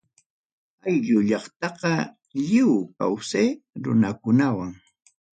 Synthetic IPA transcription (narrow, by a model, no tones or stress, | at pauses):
ajʎʊʎɑχt̪ɑqɑ | ʎɪwka̰wseːɾʊ̰nakʊnawaŋ